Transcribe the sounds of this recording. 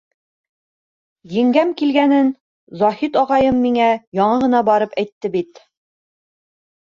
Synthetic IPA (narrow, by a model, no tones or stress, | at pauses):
jɘ̆ŋɡæmkilɡænɘn | zɒhit̪ɒʁɑjɤmːiŋæjɒɴɑʁɤ̆nɑbɑɾɤpæjt̪ːɘbit̪